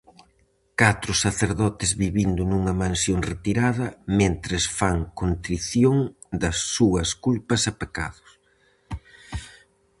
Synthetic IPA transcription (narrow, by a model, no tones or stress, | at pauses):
kat̪ɾʊsaθeɾðɔt̪ɪzβiβind̪ʊnuŋɐmãnsjoŋret̪iɾaðɐmẽnt̪ɾɪsfaŋkont̪ɾiθjoŋ | d̪ɐsːuɐskulpɐsɐpeka̰ðʊs